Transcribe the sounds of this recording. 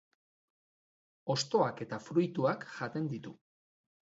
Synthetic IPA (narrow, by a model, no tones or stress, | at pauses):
o̞st̪o̞ake̞t̪afɾujt̪uakʝat̪e̞nd̪it̪u